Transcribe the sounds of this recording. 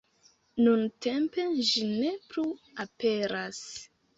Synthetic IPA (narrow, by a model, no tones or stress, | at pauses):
nunte̞mpe̞ʒine̞plu | ape̞ɾas